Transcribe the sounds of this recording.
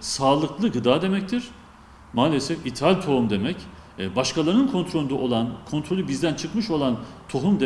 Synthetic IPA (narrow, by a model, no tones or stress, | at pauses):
saːlˠɯklˠɯɡɯd̪aːd̪e̞mɛc̚t̪ʰiɾ̥ | maːlʲesɛfit̪ʰalʲt̪ʰo̞humd̪e̞mɛc | baʃkʰalˠaɾɯnkʰo̞nt̪ʰɾolʲund̪aʔolˠankʰo̞nt̪ʰɾo̞lʲˠubizd̪ænt͡ʃʰɯkmɯʃo̞lˠant̪ʰo̞ɦumd̪e